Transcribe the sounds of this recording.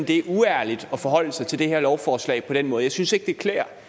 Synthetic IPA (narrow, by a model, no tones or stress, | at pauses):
md̥e̝æuæɐlid̥ɒ̽fɒ̽ɦɒ̽l̰əsɑ̈ɪt͡sʰe̝ld̥e̝heɐ̰lɒʊfɒːslɛ̰ɪpʰɒ̽ɾ̥enmɔ̽ːð̞ˠjɑ̈ɪsynse̝ɡ̥̚d̥e̝kʰlḛːɐ